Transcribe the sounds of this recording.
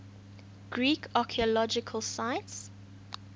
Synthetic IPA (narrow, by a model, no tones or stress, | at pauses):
ɡ̥ɹiːkɑkʰiəlɔd͡ʒɪkʰəlsaɪts